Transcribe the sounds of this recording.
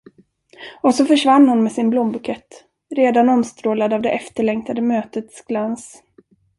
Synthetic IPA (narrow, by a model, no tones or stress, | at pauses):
ɔsɔfœʂvanːhʊnmɛsɪnblɔːmbɵkʰɛt̪ː | ɾeːd̪anɔmst̪ɾoːlad̪avd̪ɛʔɛft̪əɭɛŋkt̪ʰad̪əmøːt̪ət̪sɡ̥lans